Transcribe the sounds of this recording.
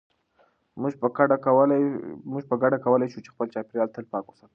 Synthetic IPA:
muʒəaɖawlmuʒpəɡaɽakawəlajʃut͡ʃexpəlt͡ʃɑpeɾjɑlt̪əlpɑkusəl

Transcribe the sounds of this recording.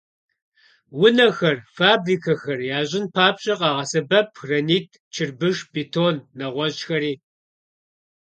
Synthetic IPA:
wʊnɐxɐrfaːbriːkʰɐxɐrjaːʑɪnpʰaːpɕʼɐqʼɑːʁɐsɐbɐp̚ʰxrɐniːtʰ | t͡ʃʰɪrbɨʒbitʰoːnːɐʁʷɔʑxɐɾiː

